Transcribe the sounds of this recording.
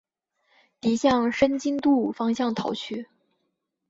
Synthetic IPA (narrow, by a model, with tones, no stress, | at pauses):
t̪i˧˥ɕjɑ˥˩ŋʂə˥nt͡ɕi˥ŋt̪u˥˩fɑ˥ŋɕjɑ˥˩ŋt̪ʰɑ˧˥ʊt͡ɕʰy˥˩